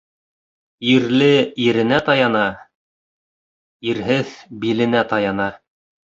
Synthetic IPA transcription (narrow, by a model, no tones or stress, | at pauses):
iɾlɘiɾɘ̆næt̪ɑjɑnɑ | iɾɦɘðbilɘ̆næt̪ɑjɑnɑ